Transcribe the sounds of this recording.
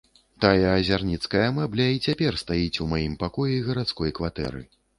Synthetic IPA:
t̪ajɐːzʲarnʲit̪skɐjɐmɛblʲɐit͡sʲapʲɛrst̪ajit͡sʲumajimpakɔjɛiɣɐɾat̪skɔjkvat̪ɛ̰ɾɨ̰

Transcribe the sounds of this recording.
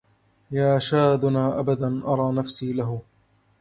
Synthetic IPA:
jaːʃaːd̪ʊnaːʔabad̪anʔɑɾˤɑːnafsiːlaɦʊ

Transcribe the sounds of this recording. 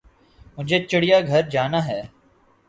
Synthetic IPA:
mʊd͡ʒʱet͡ʃɪɽɪjaɡʱɐɾd͡ʒaːnaːɦɛː

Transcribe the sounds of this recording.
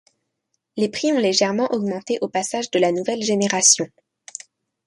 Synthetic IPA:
lepχiɔ̃leʒɛʁmɑ̃ʔɔɡmɑ̃t̪eʔopasaʒd̪əlanuvɛlʒeneʁasjɔ̃

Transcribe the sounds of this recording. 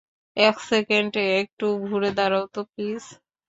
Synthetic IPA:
ɛksekeɳʈeek̚ʈuɡʱuɾed̪aɾawt̪opis

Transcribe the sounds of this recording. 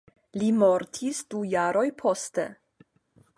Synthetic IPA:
limoɾtʰisd̥ujaɾʔo̞jpʰo̞ste

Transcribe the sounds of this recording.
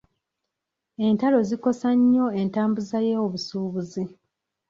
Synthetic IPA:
e̞ntalo̞ziko̞saɲːo̞e̞ntaːmbuzajeoβusuːβuzi

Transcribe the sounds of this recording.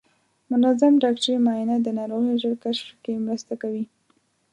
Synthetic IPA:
mʊnazamɖɑkt͡ʃemɑjinad̪ənɑɾoɣiʒəɽkaʃfkemɾəst̪akawi

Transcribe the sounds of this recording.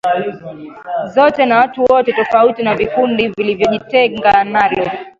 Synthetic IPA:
zɔtɛnawatuwɔtɛtɔfautinavifundivilivjɔʄitɛŋɡanalɔ

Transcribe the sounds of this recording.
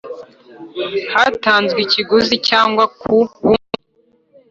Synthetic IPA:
hataːnzɡiciɡuzicaːŋɡwakʰuβumu

